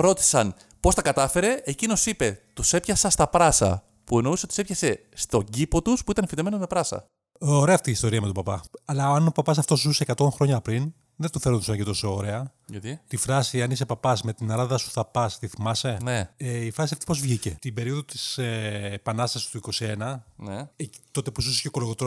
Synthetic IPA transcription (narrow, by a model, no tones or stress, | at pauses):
ɾo̞t̪i̥sɐn | post̪ɐkɐt̪ɐfe̞ɾe̞ʔːcino̞sipe̞t̪use̞pçɐsɐst̪ɐpɾɐsɐ̰ | pue̞nouseot̪sepçɐse̞ | st̪o̞ɟipo̞t̪uspuit̪ɐnifit̪eme̞nozme̞pɾɐsɐ̰ | oɾeɐft̪iːst̪o̞ɾiɐme̞t̪opɐpɐɐlɐɐnopɐpɐs̬ɐft̪o̞s̬uzusekɐt̪o̞ŋxɾo̞ɲɐpɾin | ðet̪ufelont̪usɐnɐʝit̪o̞sooɾe̞ɐ | jɐt̪it̪ifɾɐsiɐnise̞pɐpɐsme̞t̪inɐɾɐðɐsu̥θɐpɐst̪iθimɐse̞neeifɾɐsiɐft̪i̥po̞zvʝice̞t̪ibe̞ɾioðot̪i̥seːpɐnɐst̪ɐsi̥st̪uiko̞sienɐneet̪o̞t̪e̞posuse̥cokoloɣot̪ɾo